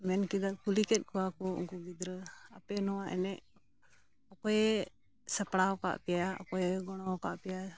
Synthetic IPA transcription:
mɛnkid̪aʔkulikɛt̪̚ˀkʰɔwakɔṵŋkuɡid̪ɾəapɛnɔwaʔɛ̰nɛʔ | ɔkɔɛ | səpɽawka̰ʔpɛjaɔ̰kɔɛɡɔɽ̃ɔwka̰ʔpɛja

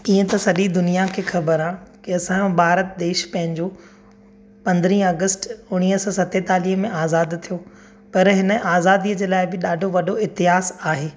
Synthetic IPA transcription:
iːə̃t̪ɐsɐɗid̪ʊnijakʰeːxɐbəɾãːkɪɐsãbʱaːɾət̪d̪eːʃpɐ̃ɦɪ̃ɲd͡ʑo | pɐ̃nd̪ɾĩːɐɡəsʈʊɽ̃iːɦsɔ̃ːsɐt̪et̪aːliːɦəmẽaːzaːd̪t̪ʰijo | pɐɾɦɪnə̆ʔaːzaːd̪iəd͡ʑeːlaːɪbɪɗaːɖʱoʋɐɖʱoɪɦt̪ɪɦaːzaːɦeː

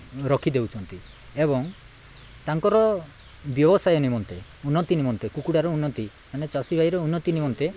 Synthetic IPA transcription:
ɾɔkʰid̪ewt͡ʃʰɔnt̪i | ebɔŋ | t̪aŋkɔɾɔ | bjɔbɔsajɔnimɔnt̪eunːɔt̪inimɔnt̪ekukuɽaɾɔunːɔt̪i | manet͡ʃasibʱajɾɔunːɔt̪inimɔnt̪e

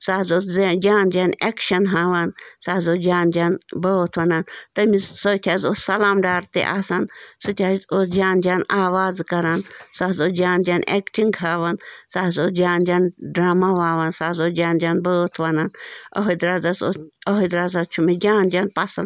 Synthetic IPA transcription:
saːzoːd͡ʒaːnd͡ʒaːnekʃɐnɦaːʋansaːzoːd͡ʒaːnd͡ʒaːnbəːt̪ʰʋɐnaːnt̪ɐmisoːt̪ʰʲaːzoːsɐlaːmɖaːɾt̪ḛʔaːsansut̪ʰʲazosd͡ʒaːnd͡ʒaːnaːʋaːzkɐɾaːnsaːɦzoːd͡ʒaːnd͡ʒaːnʔekʈiŋɡɦaːʋansaːzoːd͡ʒaːnd͡ʒʲaːnɖɾaːmaʋaːʋansaːzoːd͡ʒaːnd͡ʒʲaːnbəːt̪ʰʋanaːnɐ̰ɦod̪ɾaːzasoɐɦod̪ɾaːzat͡ʃʰumid͡ʒaːnd͡ʒaːnpɐsɐn

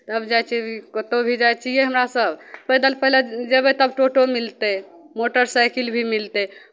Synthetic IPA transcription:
t̪əbd͡ʒajt͡ʃʰikət̪obʱid͡ʒajt͡ʃʰijeɦəmɾasəbʱpəɦd̪əlpəɦled͡ʒebet̪əbʈoʈomilt̪e | moʈəɾsajkilbʱimilt̪e

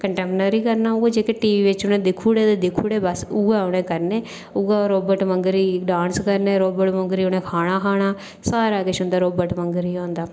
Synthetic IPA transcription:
kəɳʈɛːmpnəɾiːkəɾnaːʊɡaːd͡ʒeːkeʈiːʋiːʋɪt͡ʃʊnẽːd̪ɪkʰːuːɽeːd̪eːd̪ɪkʰːuːɽeːbəsʊɡaːʊɽ̃ẽːkəɾneː | ʊɡaːɾoːbəʈməŋɡɾiːɖãːnskəɾneːɾoːbəʈməŋɡɾiːʊnẽːkʰaːɽ̃aːkʰaːɽ̃aː | saːɾaːkɪʃʊ̃nd̪aːɾoːbəʈməŋɡɾiːõːnd̪aː

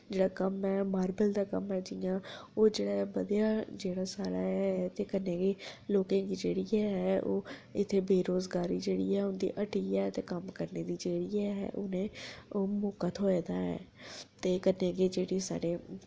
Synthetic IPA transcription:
d͡ʒeːɽaːkəmɛːmaːɾbəld̪aːkə̰mɦɛːd͡ʒɪjãːoːd͡ʒeːɽaːɛbəd̪ijaːd͡ʒeːɽaːsaːɽaːɛɛt̪eːkənẽːɡeːloːkẽːkiːd͡ʒeːɽiːɛɦɛːoːɪt̪ʰːeːbeːɾoːzɡaːɾiːd͡ʒeːɽḭːɛːʊnd̪ḭːʔəʈiːɛt̪eːkəmkəɾneːd̪iːd͡ʒeːɽiːɛɦɛ̰ːʔʊ̰nẽːoːmoːkət̪ɦoːed̪aːɛ̰ːt̪eːkənẽːɡeːd͡ʒeːɽiːsa̰ːɽeː

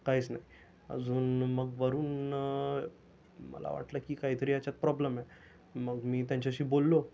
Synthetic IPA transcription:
kaɦit͡snaɦi | ə̰d͡zuːnməɡʋəɾuːn | mə̰la̰ʋa̰ʈləkiːkaɦiːt̪əɾiːat͡ɕat̪̚pɾɔbləmɛ | məɡmiːt̪jãɲt͡ɕaɕiːbolːo

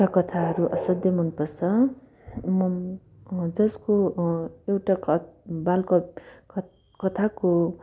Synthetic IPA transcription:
akʌt̪ʰaɦʌɾuʔʌsʌd̪ʱjʌmʌnpʌrsʰʌ | mʌm | d͡zʌsko | ewʈaʌbalka | kʌt̪ʰako

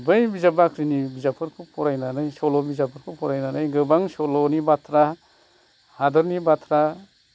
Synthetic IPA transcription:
bɯjbizabakʰɾinibizapʰɯɾkʰupʰɔɾajnanajsɔlɔbizapʰɯɾkʰupʰɔɾajnanajɡɯbaŋsɔlɔnibat̪ʰɾa | hadɯɾnibat̪ʰɾa

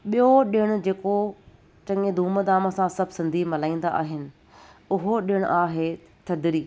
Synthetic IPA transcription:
ɓijoɗɪɪɽ̃ʊ̆d͡ʑeːko | t͡ɕɐ̃ŋed̪ʱuːməd̪aːməsãsɐbʱsɪ̃nd̪ʱimɐlaːĩːn̆d̪a̰ʔa̰ːɦɪnɪ̆ | ʊɦoɗɪəɽ̃ʊ̰ʔaːɦe | t̪ʰɐd̪ɾiː

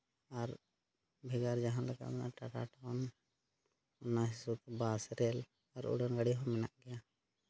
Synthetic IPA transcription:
aɾ | bʱɛɡaɾd͡ʒaɦãnlaka̰ʔɔna̰ʈaʈa̰ʈɔn | ɔnaɦisut̪ɛbasɾɛl | aɾṵɖɔnɡəɽiɦɔmɛna̰ʔɡɛja

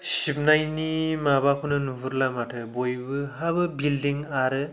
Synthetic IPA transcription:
sip̚najnimabakʰunɯnubuɾlamatʰɯbojbɯɦabɯbildiŋaɾɯ

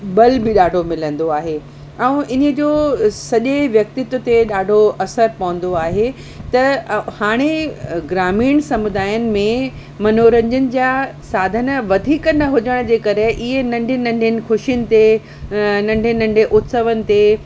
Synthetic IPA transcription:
ɓɐlbɪɗaːɖʱomɪlə̃nd̪oaːɦe | ɛ̃ũʔɪnəd͡ʑoːsɐʄeʋjɐk̚t̪ɪt̪ʊt̪eɗaːɖʱoɐsəɾpɐʋə̃n̆d̪oaːɦe | t̪ɐhaːɽ̃eɡɾaːmiːɽ̃sɐmʊd̪aːjənɪ̆mẽ | mɐnoːɾə̃ɲd͡ʑənɪ̆d͡ʑaːsaːd̪ʱənə̆ʋɐd̪ʱiːkənɐɦʊd͡ʑəɽ̃d͡ʑeːkɐɾeʔɪɦenɐ̃ɳɖʱɪnɐ̃ɳɖʱɪnɪ̆xʊʃiənɪ̆t̪e | nɐ̃ɳɖʱenɐ̃ɳɖʱeʔʊt̪səʋənɪ̆t̪e

